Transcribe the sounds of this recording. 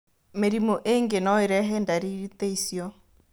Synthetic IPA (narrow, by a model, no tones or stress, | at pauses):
meɾimoʔeŋɡenɔeɾɛɦɛndaɾiɾiteisjɔ